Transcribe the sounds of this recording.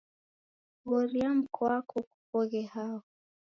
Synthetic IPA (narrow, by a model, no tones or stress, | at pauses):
ɣɔɾiam̩kʰɔakʰɔku̥pɔɣɛhaɔ